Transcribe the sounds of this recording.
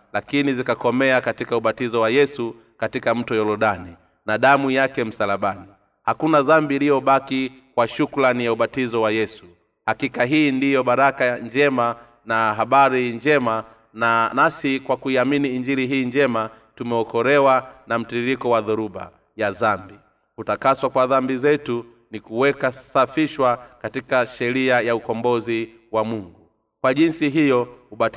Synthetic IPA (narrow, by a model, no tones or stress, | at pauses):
lakinizikakɔmɛakatikauɓatizɔwajɛsu | katikam̩tɔjɔlɔɗani | naɗamujakɛm̩salaɓani | hakunazambiːlijɔɓakikwaʃukulanijauɓatizɔwajɛsu̥ | hakikaɦiːndijɔɓaɾakaɲd͡ʒɛma | naɦaɓaɾiɲd͡ʒɛma | nasikwakuiaminiːɲd͡ʒiɾiɦiːɲd͡ʒɛma | tumɛɔkɔɾɛwanam̩tiɾiɾikɔwaðuɾuɓa̰ | jazambi | utakaswakwaðambizɛtu | nikuwɛkasafiʃwakatikaʃɛɾiajaukɔmbɔzi | wamuŋɡu | kwaʄinsiɦijɔuɓat